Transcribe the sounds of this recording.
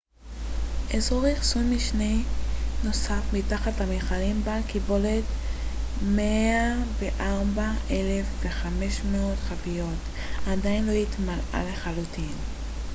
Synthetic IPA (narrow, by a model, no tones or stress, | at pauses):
ʔezoʁiχsunmiʃnejno̞safmitaχathameχalimbalkibo̞let | meaveʔaʁbaʔe̞lefveχame̞ʃmeo̞dχavijot | adajinlo̞hitmala̰le̞χalutin